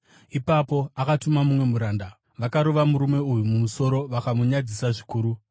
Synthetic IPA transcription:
ipapo̞akatumamumwe̞muɾaːnda | ʋakaɾoʋamuɾume̞ujumumuso̞ɾo̞ʋakamuɲad͡zisaʐikuːɾu

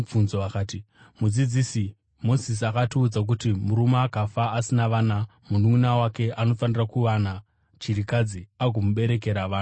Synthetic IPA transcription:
b͡vunzoakaːti | mud͡zid͡zisi | mo̞zis̬akatiud͡zak̬utimuɾumaːkafaːsinaʋaːnamunuminawake̞ano̞fanirakuʋana | t͡ʃiɾikad͡ziaɡʱomuɓe̞ɾe̞k̬e̞ɾaʋaːna

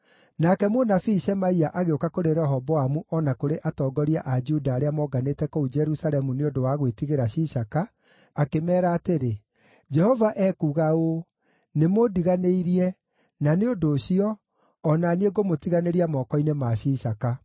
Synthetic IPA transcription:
nakɛmonafiʃɛmaiaʔaɣeokakoɾeɾɛɦɔbɔamuʔɔnakoɾeʔatɔːɡɔɾiaʔad͡ʒudaːɾeamɔɡanetɛkoud͡ʒɛɾusalɛmuneondowaɣwetiɣeɾaɕisakaː | kemɛːɾaːteɾe | d͡ʒɛhɔvaʔɛkuːɣao | nemodiɣaneiɾiɛ | naneondoɕiɔː | nanieɡomotiɣaneɾiamɔːkɔinemaɕisaka

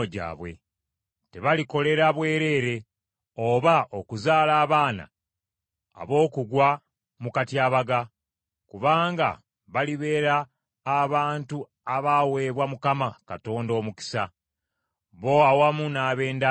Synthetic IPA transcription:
oɟa̰ːβwe̞̰ | te̞βaliko̞le̞ɾaβwe̞ːɾe̞ːɾe̞ | oβaʔokuzaːlaːβaːna̰ː | βo̞ːkuɡwa | mukatiaːβaɡa | kuβaːŋɡa̰ | βaliβe̞ːɾaː | βaːntu | aβawe̞βwamukamakato̞ːndo̞ːmuki̥sa | βo̞awamunaːβe̞ːnda

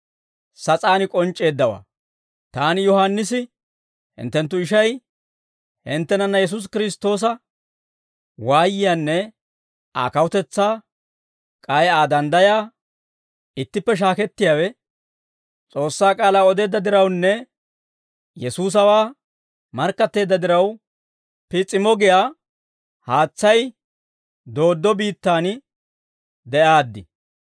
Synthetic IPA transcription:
sɐt͡sʼaːnɪkʼɔnt͡ʃʼːe̞ːd̪ːɐwa̰ː | t̪aːnɪjɔɦanːɪs̬ɪ | hɪ̰nt̪ːɛnt̪ːʊɪʃɐj | hɪnt̪ːɛnɐnːɐjɛs̬ʊs̬kɪɾɪst̪o̞ːs̬ɐ | waːjɪjaːnːɛ | a̰ːkɐwʊt̪ɛt͡sːaː | kʼɐjaːd̪ɐnd̪ɐjaː | ɪt̪ːɪpːɛʃ̬aːkɛt̪ːɪjaːwɛ | t͡sʼo̞ːsːaːkʼaːlaːɔd̪eːd̪ːɐd̪ɪɾɐwnːɛ | jɛsuːs̬ɐwaː | mɐɾkːɐt̪ːe̞ːd̪ːɐd̪ɪɾɐw | pɪt͡sʼːɪmɔɡɪjaː | haːt͡sːɐj | d̪o̞ːd̪ːɔbiːt̪ːaːn | d̪ɛʔaːd̪ːɪ

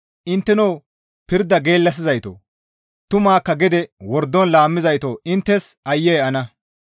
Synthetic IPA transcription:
ʔɪnt̪ːɛnow | pɪɾd̪ɐɡeːlːɐs̬ɪzɐjt̪o̰ː | t̪ʊmaːkːɐɡɪd̪ɛwɔɾd̪ːɔnlaːmːɪzɐjt̪oːɪnt̪ːɛsʔɐjːɛjɐnɐ

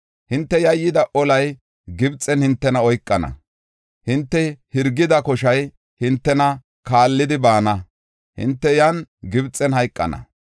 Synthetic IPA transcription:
hɪnt̪ːɛjɐjːɪd̪ɐʔɔlɐj | ɡɪbt͡sʼːɛnhɪnt̪ːɛnɐɔjkʼːɐnɐ̰ | hɪnt̪ːɛhɪɾɡːɪd̪ɐkɔʃɐj | hɪnt̪ːɛnɐ | kaːlːɪd̪ɪbaːnɐ | hɪ̰nt̪ːɛjɐnɡɪbt͡sʼɛnhɐjkʼːɐ̰nɐ̰

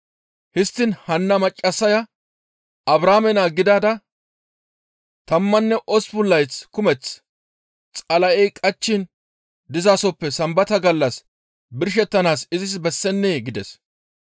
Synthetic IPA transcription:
hɪst̪ːɪnhɐnːɐmɐt͡ʃʼːɐsːɐjɐ | ɐbɾaːmɛnaːɡɪd̪aːd̪ɐ | t̪ɐmːɐnːɛʔɔspʊlːɐjt͡skʊmɛt͡s | t͡sʼɐlɐʔɛjkʼɐt͡ʃːɪn | d̪ɪzaːsɔpːɛsɐmbɐt̪ɐɡɐlːɐs | bɪɾʃ̬ɛt̪ːɐnaːsɪzɪs̬bɛsːɛnːeːɡɪd̪ɛs

